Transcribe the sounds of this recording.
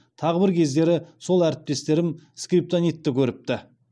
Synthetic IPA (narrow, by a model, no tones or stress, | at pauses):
t̪ʰɑʁəbɪɾkʲʰe̞zd̪e̞ɾɪso̞lˠæɾɪp̚t̪e̞st̪e̞ɾɪmskɾip̚t̪onijt̪ːɪkʲʰɵɾɪp̚t̪ɪ